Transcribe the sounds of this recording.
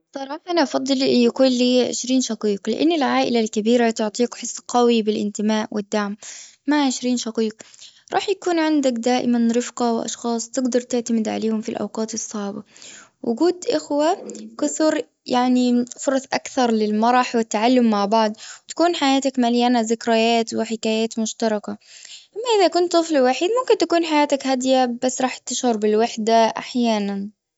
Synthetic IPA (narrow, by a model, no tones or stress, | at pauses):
sˤɑɾˤɑːħɑʔanaʔɑfɑd̪ˤːɨljakuːnliːʕɪ̰ʃɾiːnʃɑqiːqlɪ̰ʔa̰nːɪlʕaːʔɪlalkabiːɾat̪ʊʕt̪ˤiːkħɪsˤːqɑwibɪlʔɪ̰nt̪ɪmaːʔwɪd̪ːaʕmːaʕʕɪʃɾiːnʃɑqiːq̚ɾˤɑ̰ːħjakuːnʕɪnd̪akd̪aːʔɪmanɾɪfqɑwʔɑ̰ʃxɑːsˤt̪ɪɡd̪ɑɾˤt̪ɪʕt̪amɪd̪ʕa̰leːhʊmfilʔa̰wqɑːt̪ɨsˤːɑʕbɑwʔʊɡuːd̪ʔɪxwakʊθɾ | jaʕnifʊɾˤɑsˤʔa̰kθɑɾˤlɪlmɑɾˤɑħwɪt̪ːaʕalːʊmːaʕbɑʕd̪ˤwt̪ḁkuːnħajaːt̪akmaljanazɪkɾajaːt̪wɪħɪkaːjaːt̪mʊʃt̪ɑɾˤɑkaʔamːaʔɪðakʊnt̪t̪ːˤɨflɪwaħiːd̪mʊmkɪnt̪akuːnħajaːt̪akhad̪jabasːɾˤɑːħt̪ːɪʃhʊɾˤbɪlwaħd̪aʔa̰ħjaːnan